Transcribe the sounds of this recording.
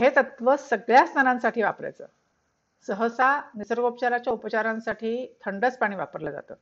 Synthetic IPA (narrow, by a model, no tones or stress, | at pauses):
ɦet̪ət̪ʋəsəɡɭjast̪ʰanãnsaʈʰiːʋa̰pɾa̰jt͡səː | səɦəsanisəɾɡop̚t͡ɕaɾat͡ɕjaupət͡ɕaɾãnsaʈʰiːt̪ʰəɳɖət͡spaɽ̃iːʋa̰pəɾləd͡za̰t̪ə̰ː